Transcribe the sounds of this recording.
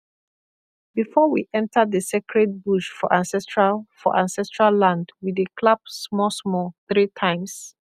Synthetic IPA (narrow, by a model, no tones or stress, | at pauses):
bifɔwiʔɛ̃ntəðəsekʰɹɛd̚buʃfɔʔãnsɛstɹafɔ̰ʔãnsɛstɹalːãndwidəkʰlabsmɔsmɔθɹitʰãɪ̃ms